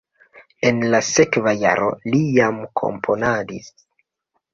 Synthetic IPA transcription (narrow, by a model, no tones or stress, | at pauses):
e̞nlase̞kvaja̰ɾo̞̰lijamkʰo̞̰mpʰo̞nadis